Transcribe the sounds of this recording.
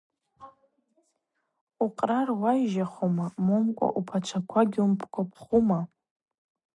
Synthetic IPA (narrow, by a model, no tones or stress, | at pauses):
uqʼrarwajʒaχomamomkʷʼa̰ʔupʰat͡ʃʷʰakʷʰaɡʲumpʰkʷʰapʰχuma